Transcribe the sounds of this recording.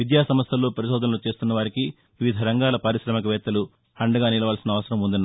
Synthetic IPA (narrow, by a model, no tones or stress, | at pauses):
ʋid̪jaːsɐmɐst̪ɐlːoːpɐɾiʃɔːd̪ɐnɐlot͡ʃe̞ːst̪unːɐʋaːɾiki | ʋiʋid̪ʱɐɾɐŋɡaːlɐpɐɾiʃɾɐmɐkɐʋɛːt̪ːɐlu | ɐɳɖɐɡaːnilɐʋaːlsinɐːʋɐsɐɾɐmund̪ɐnː